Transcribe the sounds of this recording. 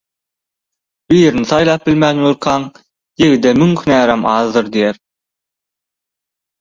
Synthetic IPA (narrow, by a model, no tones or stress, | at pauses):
b̥ijeɾni̥θɑjlˠɑːp̚bilmæːnjuɾqʰɑːŋ | jeɣid̪emyŋkʰynæːɾæmɑːðd̪ɯɾd̪ijæɾ